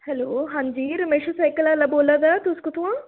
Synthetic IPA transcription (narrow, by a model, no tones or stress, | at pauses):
hɛloːɦãːɲd͡ʒiːɾəmeːʃusaːjkəlaːlaboːlad̪at̪ʊskot̪ʰuã